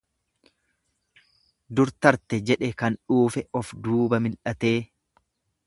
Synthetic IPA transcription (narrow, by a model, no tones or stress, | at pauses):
d̪ʊɾt̪ɐɾt̪ɛd͡ʒɛᶑɛkɐnᶑuːfɛɔfd̪uːbɐmɪlʔɐt̪e̞ː